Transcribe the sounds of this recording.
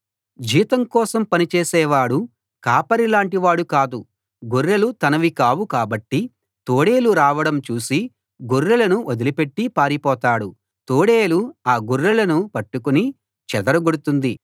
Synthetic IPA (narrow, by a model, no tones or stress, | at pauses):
d͡ʒiːt̪ɐmkɔːsɐmpɐnit͡ʃɛːsɛːʋaːɽu | kaːpɐɾilaːɳʈiʋaːɽukaːd̪u | ɡuɾːɐlut̪ɐnɐʋikaːwukaːbɐʈːi | t̪oːɽeːluɾaːʋɐɽɐmt͡ʃuːsi | ɡuɾːɐlɐnuʔod̪ilipe̞ʈːipaːɾipɔːt̪aːɽu | t̪oːɽeːluaːɡuɾːɐlɐnupɐʈːukuni | t͡ʃɛd̪ɐɾɐɡuɽut̪und̪i